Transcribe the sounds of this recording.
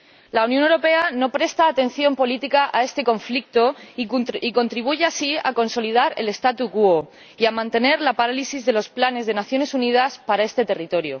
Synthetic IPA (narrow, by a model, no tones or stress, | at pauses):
launjõnewɾope̞ano̞pɾe̞st̪aːt̪ẽ̞n̟θjo̞mpo̞lit̪ikaʔae̞st̪e̞ko̞ɱflik̚t̪o | iko̞nt̪ɾiβ̞uʝeasia̰ko̞nso̞lið̞aɾe̞̰le̞st̪at̪ukuo | iamãnt̪e̞ne̞ɾlapaɾalisizðe̞lo̞splane̞zð̞e̞naθjo̞ne̞sunið̞aspaɾae̞st̪e̞t̪e̞rit̪o̞ɾjo̰